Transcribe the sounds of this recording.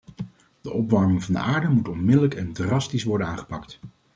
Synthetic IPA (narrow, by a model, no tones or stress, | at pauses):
d̥əʔɔpʋɑɹmɪŋvɑndə̰ʔaːɹdəmutɔnmɪdələkɛndrɑstisʋɔɹdənaːnχə̥pɑkt